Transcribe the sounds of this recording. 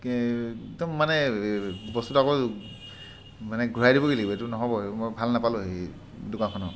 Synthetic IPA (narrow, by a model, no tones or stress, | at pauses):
ɡdɔmːanɛ | bɔstutakɔ | manɛɡʱuɹajdibɔɡileɡibɔetunɔɦɔbɔmojbʱalnapaluɦi | dukakʰɔnɔ̰